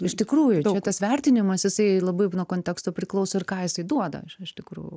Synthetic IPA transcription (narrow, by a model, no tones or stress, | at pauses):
ɪʃt̪ʲɪkɾuːjʊt͡ʃt͡ʃɛtt̪ɐsʋʲɛrʲt̪ʲɪnʲɪmɐsjɪsɐɪlˠɐbɐɪnuɔkoːntʲɛkst̪oːpʲɾʲɪklˠɐʊsoːɪrkɑːjɪsɐɪd̪uɔd̪ɐ̰ɪʃɪʃt̪ʲɪkɾṵːjʊ